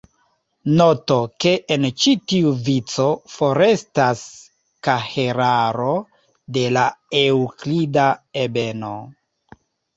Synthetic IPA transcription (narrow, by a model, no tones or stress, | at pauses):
no̞to̞ke̞ʔːnt͡ʃitiuvit͡so̞fo̞ɾe̞stas | kaheɾaɾo̞ | de̞laewklidaebe̞no̰